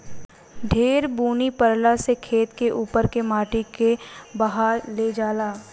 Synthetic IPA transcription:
ɖʱeːɾbuːnipəɾlasekʰeːt̪keʔuːpəɾkemaːʈikebɐɦaːɾled͡ʒaːlaː

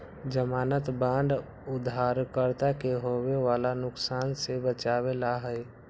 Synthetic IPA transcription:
d͡ʒəmaːnət̪bãːnɖ̪ | ʊd̪ʱaːɾkəɾt̪akeɦoweʋaːlanʊksaːnsebət͡ʃaːwelaɦəɪ

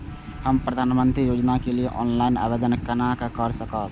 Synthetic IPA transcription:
hɐmpɾɐd̪ʱaːnmə̃nt̪ɾijoːd͡ʒnakelieʔɔ̰ːnlaːɪna̰ːʋeːd̪ənkɐnakakəɾsɐkaːt̪

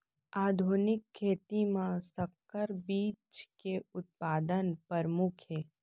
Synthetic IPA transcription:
aːd̪ʱuːnɪkʰːeːt̪imãsəkː | əɾbiːt͡ʃkeʊt̪̚paːd̪ənpəɾmʊkʰeː

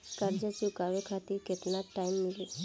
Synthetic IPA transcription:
kaɾd͡ʑət͡ɕikaʋekʰat̪iket̪naʈaimːili

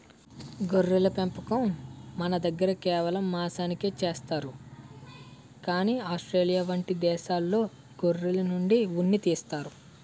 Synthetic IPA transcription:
ɡoɾːilɐpempɐkɐmːɐnɐd̪ɐɡːɐɾɐkɛːʋɐlɐmːaːsaːnikeːt͡ʃeːst̪aːɾu | kaːniːaːsʈɾeːlijaʋɐɳʈid̪ɛːʃaːlːo̞ː | ɡorːilɐnuɳɖiʋunːit̪iːst̪aːɾu

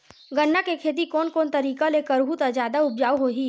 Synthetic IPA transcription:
ɡənːakekʰeːt̪̬ikɔːnkɔːnt̪ɐɾiːkalekəɾbʱut̪azjaːd̪aʊbd͡ʒaːwɦoɦiː

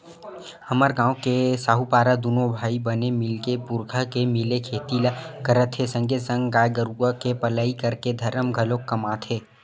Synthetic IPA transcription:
hɐməɾɡãːokesaːɦupaːɾad̪unobʱaːibənemɪlkepʊɾɡʰʱakemɪlekʰeːt̪ilakəɾət̪ʰesə̃ŋɡʱesə̃ŋɡɡaːjɡəɾuakepɐlaːikɐɾked̪ʱɐɾəmɡʱəlokːɐmaːt̪ʰɦeː

